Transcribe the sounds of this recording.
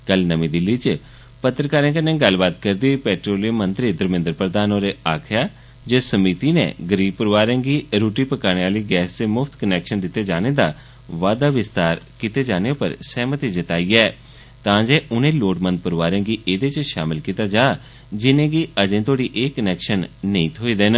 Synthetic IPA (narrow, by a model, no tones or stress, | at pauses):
kəlnəmĩːd̪ɪlːiːt͡ʃ | pət̪ːɾəkaːɾẽkənẽːɡəlbaːt̪kəɾd̪iːpɛːʈɾoːliəmə̃nt̪ɾiːd̪əɾmɪ̃nd̪əɾpɾəd̪aːnoːɾeːaːkʰjaː | d͡ʒeːsəmit̪iːnḛːɡəɾiːb̚pəɾʋaːɾẽːɡiːɾuːʈiːpəkaːñeːaːliːɡɛːsd̪eːmʊpʰt̪kənɛːkʃənd̪ɪt̪ːeːd͡ʒaːneːd̪aː | ʋaːd̪aːʋɪst̪aːɾkit̪eːd͡ʒaːneːpə̰ɾsɛːmət̪id͡ʒət̪aːiːɛː | t̪ãːd͡ʒeːʔʊnẽːloːʈmə̃nd̪̚pəɾʋaːɾẽːɡiːʔeːd̪eːt͡ʃʃaːmɪlkit̪aːd͡ʒaː | d͡ʒɪnẽːɡiːəd͡ʒẽːt̪ʰoːɽiːʔeːkənɛːkʃənːəĩːt̪ʰoːiːd̪eːn